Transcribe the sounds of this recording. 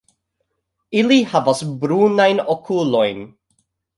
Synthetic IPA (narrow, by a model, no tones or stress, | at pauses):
ɪlihavasbɾuːnajnɔkʰulɔjn